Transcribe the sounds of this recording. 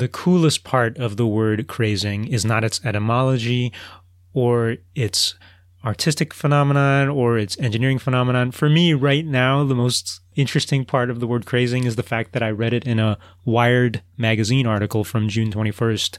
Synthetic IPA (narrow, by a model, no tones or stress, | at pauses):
ðɨkʰulˠəst̚pʰɑɹɾʌvðəwɜ˞d̚kʰɹ̥eɪzɪ̃ŋɪznəɾɨtsɛɾɨmɑlˠəd͡ʒi | ə˞ɪts | ɑɹtʰɪstɨkfənɑmənɑ̃nə˞ɪtsɛ̃nd͡ʒɨnɪɹɪ̃ŋfənɑməñɑ̃nfə˞miɹaɪtⁿnaʊðəmoʊstɪ̃nt͡ʃɹ̥ɨstɪ̃ŋpʰɑɹɾʌvðəwɜ˞d̚kʰɹ̥eɪzɪ̃ŋɨzðɨfæk̪̚ðɨɾaɪɹɛɾɨɾɨ̃nə | waɪə˞dmæɡɨzĩnɑɹɾɨkl̩ˠfɹʌ̃md͡ʒʉ̃ntʰw̥ɛ̃ɾ̃ifɜ˞st